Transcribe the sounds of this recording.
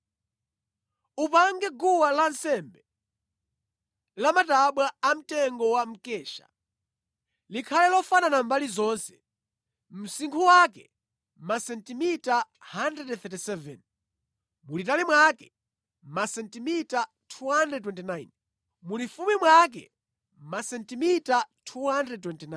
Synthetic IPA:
upaŋɡɛɡuwalansɛmbɛ | lamataɓwaam̩tɛŋɡɔwam̩kɛːʃa̰ | likʰalɛlɔfananambalizɔnsɛ̥ | m̩siŋkʰuwakɛ̰ | masɛntimita | handɾɛdθɛtisɛvɛ̰n | mulitalimwakɛ | masɛntimita | tʰuɦandrɛd̚twɛntinajn | mulifumimwak̬ɛ̰ | masɛntimitatʰuhandrɛd̚twɛntina

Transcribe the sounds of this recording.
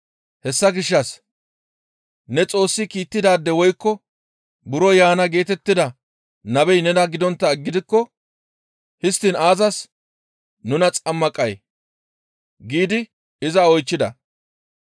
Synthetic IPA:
hɛsːɐɡɪʃːɐs | nɛt͡sʼo̞ːsːɪkiːt̪ːɪd̪aːd̪ːɛwɔjkːɔ | bʊɾɔjaːnɐɡe̞ːt̪ɛt̪ːɪd̪ɐ | nɐbɛjnɛd̪ɐɡɪd̪ɔnt̪ːɐɛɡːɪd̪ɪkːɔ | hɪst̪ːɪnaːzɐs | nʊnɐt͡sʼɐmːɐkʼɐj | ɡiːd̪ɪ | ɪzɐɔjt͡ʃːɪd̪ɐ

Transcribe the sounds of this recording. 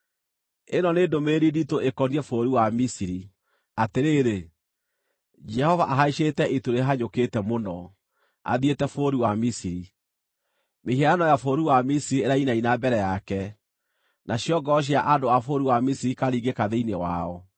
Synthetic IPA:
enɔnedomeːɾiditoʔekɔniɛfoːɾiwamisiɾi | ateɾeːɾe | d͡ʒɛhɔvaʔaɦaiʃetɛʔetoɾeɦaɲoketɛmonɔ | a̰ðietɛfoːɾiwamisiɾi | mehiɛɾanɔjafoɾiwamisiɾieɾainainabɛɾɛjakɛ | nʔaɕjɔɡɔɕ̬jaʔadoafoɾiwamisiɾikaɾiɡekaðeinewa̰ɔ

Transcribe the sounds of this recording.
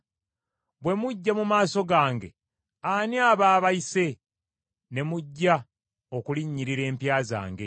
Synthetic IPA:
bwe̞muɟːamumaːso̞ɡaːŋɡe̞ | aniaβaːβaise̞ | ne̞muɟːa | o̞kuliɲːiɾiɾe̞ːmpjaːza̰ːŋɡe̞

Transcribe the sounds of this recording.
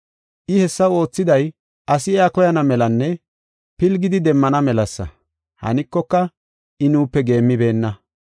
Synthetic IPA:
ʔɪhɛsːɐwo̞ːt͡sːɪd̪ɐj | ʔɐsɪɛakɔjɐnɐmɛlɐnːɛ | pɪlɡɪd̪ɪd̪ɛmːɐnɐmɛlɐsːɐ̰ | hɐ̰nɪkːɔkːɐ | ʔɪnuːpːɛɡe̞ːmːɪbe̞ːnːɐ

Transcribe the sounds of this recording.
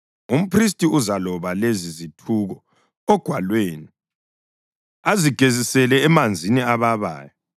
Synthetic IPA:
um̩pʰris̬tʼiuzalɔβalezizitʰuːɣɔ | ɔɡ̥ʱwalweːni | aziɡ̥ʱezisɛlɛːmand͡zʱiniaβaβa̰ːja

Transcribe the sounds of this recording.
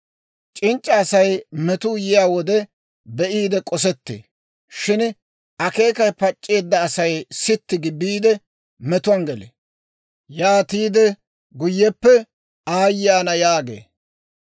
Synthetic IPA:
t͡ʃʼɪnt͡ʃʼːɐːsɐjmɛt̪ʊjɪjaːwɔd̪ɛ | bɛʔiːd̪ɛkʼɔs̬ɛt̪ːḛː | ʃɪn | ɐke̞ːkɐjpɐt͡ʃʼːe̞ːd̪ːɐːsɐjsɪt̪ːɪɡɪbiːd̪ɛ | mɛt̪ʊwɐnɡɛlḛ | jaːt̪iːd̪ɛ | ɡʊjːɛpːɛ | aːjːaːnɐjaːɡḛː

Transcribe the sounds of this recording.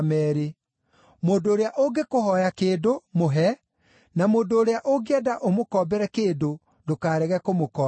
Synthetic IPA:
mɛɾe | moːdoːɾeaʔoɡekohɔjakeːdomoɦɛ | namoːndoːɾeaʔoɡeɛdaʔomokɔːbɛɾɛkeːdo | dokaːɾɛɣɛkomokɔː

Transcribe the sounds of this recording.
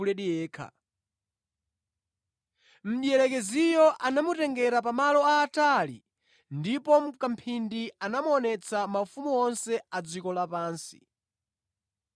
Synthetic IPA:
ulɛɗijɛːkʰa̰ | m̩ɗiɛɾɛkɛzijɔʔanamutɛŋɡɛɾap̬amalɔaːtalḭ | ndipɔm̩kam̩pʰindianamuɔnɛt͡sʰamafumuɔnsɛad͡zikɔlapaːnsi̥̰

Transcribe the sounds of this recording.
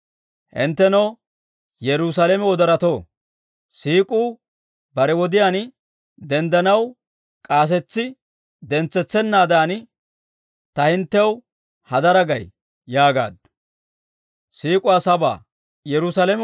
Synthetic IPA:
hɪ̰nt̪ːɛnɐw | jɛɾʊsalɛmɛwɔd̪ɐɾɐt̪oː | siːkʼuː | bɐɾɛwɔd̪ɪjan | d̪ɛnd̪ɐnɐw | kʼaːs̬ɛt͡sːɪ | d̪ɛnt͡sːɛt͡sːɛnːaːd̪aːn | t̪ɐhɪnt̪ːɛw | hɐd̪ɐɾɐɡɐj | jaːɡa̰ːd̪̚ | siːkʼʊwaːsɐba̰ː | jɛɾʊsalɛm

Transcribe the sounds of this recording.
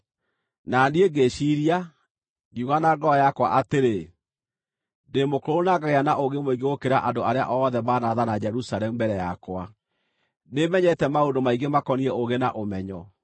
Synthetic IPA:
nanieɡeʃiɾia | ɡiuɣanaɡɔjakwa̰ʔateɾe | ndemokoɾonaɡaɣeanaʔoɣemoiɡeokeɾa̰ʔadoaɾea̰ʔɔðɛmanaðanad͡ʒɛɾusalɛmubɛɾɛjakwa | nemɛɲɛtɛmaondomaiɡemakɔniɛoɣena̰ʔomɛɲɔ

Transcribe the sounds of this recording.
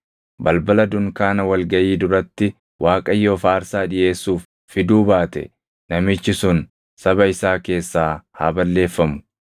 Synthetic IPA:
bɐlbɐlɐd̪ʊŋkaːnɐwɐlɡɐʔiːd̪ʊɾɐt̪ːɪ | wʔaːkʼɐjːo̞ːfaːɾsaːᶑɪje̞ːsːuːfːɪd̪uːbaːt̪ɛ̰ | nɐmɪt͡ʃːɪsʊn | sɐbɐɪsaːke̞ːsːaːha̰ːbɐlːe̞ːfːɐmʊ̥

